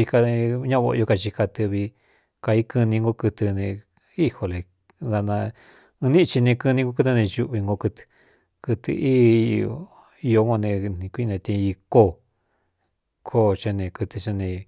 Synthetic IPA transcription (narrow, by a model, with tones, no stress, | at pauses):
i˧ka˧˦ɲã˦βo̰˧o˧ka˧t͡ʃi˧ka˧t̪ɨ˧βi˧ | ka˧i˦kɨ˧nĩ˧ŋɡo˦kɨ˧t̪ɨ˧nẽ˧ | i˦ho˧le˨ | ða˧nã˧ | ɨ̃˧nĩ˦˧t͡ʃi˧nẽ˧kɨ˧nĩ˧ŋɡo˧˦kɨ˧˦t̪ɨ˧nẽ˧ʒu˧ʔβi˧ŋɡo˧kɨ˧t̪ɨ̥˧ | kɨ˧t̪ɨ̰˧ʔiː˦˧ | i˧jo˧ŋo˧nẽ˧nĩ˧kʷi˦˧nẽ˧t̪ĩ˧i˧ko˦˨ | kʰo˦˨t͡ʃe˧nẽ˧kɨ˧t̪ɨ˧t͡ʃe˦nẽ˧